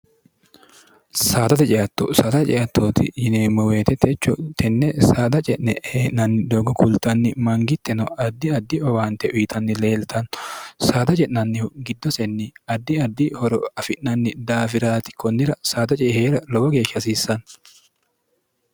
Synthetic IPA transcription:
saːt̪ɐt̪ɛt͡ʃʼɛʔɐt̪ːɔ̰saːt̪ɐt͡ʃʼɛjɐt̪ːoːt̪ɪ̰jɪneːmɔwe̞ːt̪ɛt̪ʰɛt͡ʃːɔt̪ʰɛnːɛsaːd̪ɐt͡ʃʼɛʔnɛheːʔnɐnːɪd̪oːɡɔkʊlt̪ɐnːɪmɐŋɡɪt̪ːɛnɔɐd̪ːɪɐd̪ːɪɔwaːnt̪ɛʔʊjɪt̪ɐnːɪle̞ːlt̪ʰɐnɔsaːd̪ɐt͡ʃʼɛʔnɐnːɪhʊɡɪd̪ːɔsɛnːɪɐd̪ːɪɐd̪ːɪhɔɾɔɐfɪʔnɐnːɪd̪aːfɪɾaːt̪ɪ̥kɔnːɪɾɐsaːd̪ɐt͡ʃʼɛheːɾɐlɔwɔɡe̞ːʃːɐs̬iːsːɐn

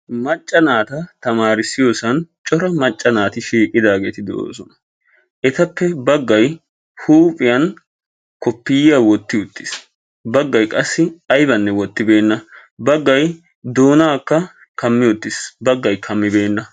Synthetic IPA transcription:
mɐt͡ʃʼːɐnaːt̪ɐt̪ɐmaːɾɪsɪjoːsɐnt͡ʃʼɔɾɐmɐt͡ʃʼːɐnaːt̪ɪʃiːkʼːɪd̪aːɡe̞ːt̪ɪd̪o̰ːsɔnɐ | ʔɛt̪ɐpːɛbɐɡːɐj | huːpʼɪjɐn | kɔpːɪjjawɔt̪ːɪʊt̪ːɪs | bɐɡːɐjkʼɐsːɪɐjbɐnːɛwɔt̪ːɪbe̞ːnːɐbɐɡːɐj | d̪o̞ːnaːkːɐ | kɐmːɪjɔt̪ːɪsbɐɡːɐjkʰɐmːɪbe̞ːnːɐ

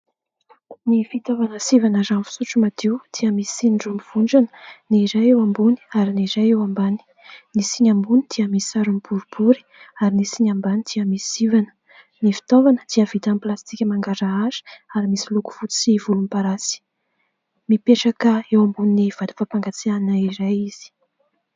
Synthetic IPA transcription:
nifit̪ovanəsivanəzanfi̥suʈ͡ʂumad̪̥ewd̪̥iəmisinɖ͡ʐumiv̥uɳɖ͡ʐanə̥niɾajewambuni̥aɾiniɾajewambani̥ | nisiɲambunid̪̥iəmisisaɾumibuɾubuɾi̥ | aɾinisiɲambanid̪̥iəmisi̥sivanə̥ | nifi̥t̪ovanəd̪̥iəvit̪anplast̪ikʲəmaŋɡaɾaazi̥aɾimisiluku̥v̥ut͡sivulumpaɾasi̥ | mipeʈ͡ʂakəewambuniniv̥ad̪i̥fapaŋɡat͡siannaiɾajiz̥i̥

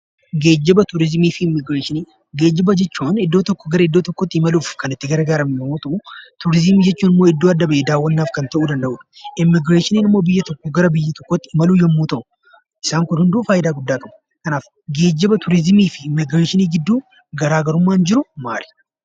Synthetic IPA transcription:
ɡe̞ːd͡ʒːɛbɐt̪ʊɾɪzmiːfɪɪmːɪɡɾeːʃɪniː | ɡeːd͡ʒːɛbɐd͡ʒɛt͡ʃːuːnɪd̪ːo̞ːt̪ɔkːɔ̥ɡɐɾɐɪd̪ːoːt̪ɔkːɔt̪ːɪɪmɐluːfkɐnɪt̪ːɪɡɐɾɐɡaːɾɐmɪjɐmuːt̪ɐʔut̪ʊɾɪzmiːd͡ʒɛt͡ʃːuːnɪmːoːɪd̪ːoːɐd̪ːɐbɐeːd̪aːwːɐnːaːfkɐnt̪ɐʔuːd̪ɐnd̪ɐʔuːᶑ̪ɐ̥ɪmːɪɡɾeːʃɪniːnɪmːo̞ːbɪjːɐt̪ɔkːɔɡɐɾɐbɪjːɐt̪ɔkːɔt̪ːɪmɐluːjɛmːuːt̪ɐʔʊ | ʔɪsaːŋkʊnhʊnd̪uːfaːjɪd̪aːɡʊd̪ːaːkɐʔʊ̥ | kɐnaːf | ɡe̞ːd͡ʒːɛbɐt̪ʊɾɪzmiːfɪɪmːɪɡɾeːʃɪniːɡɪd̪ːuː | ɡɐɾaːɡɐɾʊmːaːnd͡ʒɪɾʊma̰ːlɛ̥

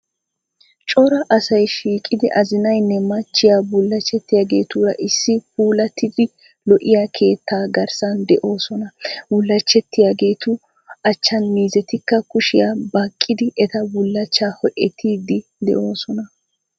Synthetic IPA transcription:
t͡ʃʼɔɾɐʔɐsɐjʃiːkʼɪd̪ɪʔɐzɪnɐjnːɛmɐt͡ʃːɪjaːbʊlːɐt͡ʃːɛt̪ːɪjaːɡe̞̰ːt̪uːɾɐʔɪsːɪpuːlɐt̪ʰːɪd̪ɪ | lɔʔɪjaːkʰe̞ːt̪ʰːaːɡɐɾsɐnd̪ɛʔo̞ːsɔnɐbʊlːɐt͡ʃːɛt̪ːɪjaɡe̞ːt̪ʊ | ɐt͡ʃːɐnmiːzɛt̪ɪkːɐkʊʃɪjaːbɐkʼːɪd̪ɪʔɛt̪ɐbʊlːɐt͡ʃːaːhɔʔɛt̪ʰːiːd̪ɪd̪ɛ̰ʔo̞ːsɔnɐ

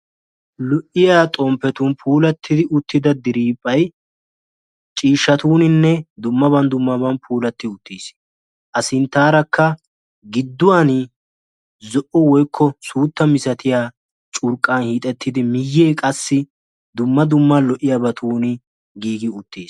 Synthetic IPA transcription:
lɔʔɪjaːt̪ʼɔmpːɛt̪ʊnpʰuːlɐt̪ʰːɪd̪ɪʔʊt̪ːɪd̪ɐd̪ɪɾiːpʼːɐj | t͡ʃʼiːʃːɐt̪uːnɪnːɛd̪ʊmːɐbɐnd̪ʊmːɐbɐnpʰuːlɐt̪ːɪʊt̪ːiːs | ʔɐsɪnt̪ːaːɾɐkʰːɐ | ɡɪd̪ːʊwan | zɔʔɔwɔjkʰːɔsuːt̪ːɐmɪsɐt̪ʰɪjaː | t͡ʃʼʊɾkʼːanhiːt̪ʼɛt̪ːɪd̪ɪmɪjːeːkʼɐsːɪ | d̪ʊmːɐd̪ʊmːalɔʔɪjaːbɐt̪ʰuːnɪ | ɡiːɡɪʊt̪ːeːs

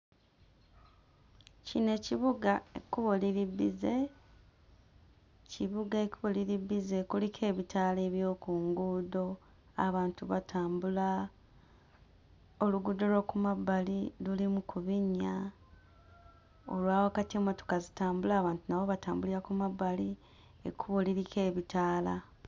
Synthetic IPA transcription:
cine̞ciβuɡaekuβoliɾibːize̞ | ciβuɡaekuβoliɾibːize̞kulikʰe̞ːβitʰaːle̞ːβjo̞ːkuːŋɡuːdo̞ | aβaːntuβatʰaːmbula | oluɡud̪o̞lo̞kumabːalilulimukʰuβiɲa | o̞̰lwaːwakatieːmo̞to̞̥kazitaːmbulaːβaːntunaβo̞βataːmbuliɾakumabːali | ḛkuβoliɾike̞ːβitaːla

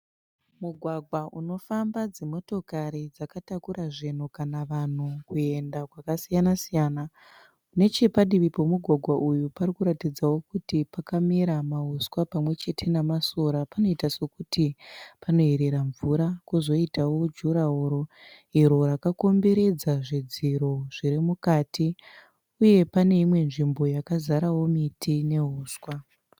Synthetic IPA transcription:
muɡʱwaɡʱwaʔuno̞fambad͡zemo̞to̞kaɾid͡zakatakuɾaʐen̤ukanaʋan̤ukue̞ndakwakasijanasijaːna | une̞t͡ʃe̞paɗiʋipo̞muɡʱwaɡʱwaʔujuparikuɾatid͡zawo̞kutipakamiɾamaɦuskwapamwe̞t͡ʃe̞tʰe̞namaso̞ɾapano̞itase̞kutipano̞ɦeɾe̞ɾaɱvuɾakuzo̞itawo̞d͡ʒuɾaɦoɾo̞ | iɾo̞ɾakako̞mbe̞ɾe̞d͡zaʐed͡ziɾo̞ʐ̥iɾimukaːtʰi | uje̞pane̞imwe̞nʐimbo̞jakazaɾawo̞mitʰine̞ɦuːswa

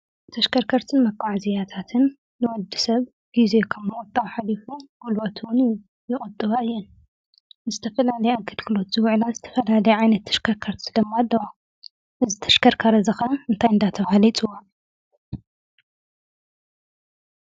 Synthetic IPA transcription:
t̪ʰɐʃkʰɐɾkʰɐɾt̪ʰɨnmɐkʼːaʕzijat̪ʰat̪ʰɨnː | ɨwɔd̪ːisɐβ | ɡ̥izekʰɐmmɨkʼʊt̪ʼawħalifuɡ̥ulot̪ʰwʊn | jɪkʼɨt̪ʼːɨβaɨjːɛn | zɨt̪ʰɐfɐlalɐjaɡɐlɡʰɨlo̞t̪z̥ɨwʕlazɨt̪ʰɐ̥fɐlalɐjuʕajnɐt̪ʰːɐ̥ʃkʰɐɾkʰɐɾt̪sɨlɐmːad̪ːɐwa | ʔɨzit̪ʰɐ̥ʃkʰɐɾkʰaɾɐzɐxɐnɨnt̪ʰajɨnd̪at̪ʰɐβhalit͡sʼɨwːo

